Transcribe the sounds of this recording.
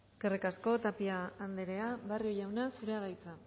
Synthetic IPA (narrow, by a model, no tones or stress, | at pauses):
eske̞rikasko̞t̪apiaːnd̪eɾe̞aβarjoʎawnasuɾeaðajt͡sa